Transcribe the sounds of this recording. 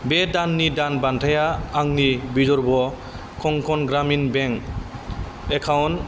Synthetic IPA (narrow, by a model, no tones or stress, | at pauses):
bɛdanːidanbantʰajaaŋnibizɔɾbɔ | kʰɔŋkʰɔnɡɾaminbɛŋ | ɛkʰawn